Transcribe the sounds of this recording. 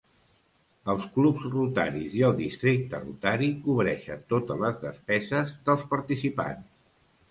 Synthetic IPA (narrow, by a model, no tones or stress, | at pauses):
əlˠsklupzrut̪a̰ɾiziəlˠd̪ist̪ɾik̚t̪ərṵt̪aɾikuβɾɛʃə̰t̪ot̪ələzðəspɛzəzðəlˠspəɾt̪isipa̰ns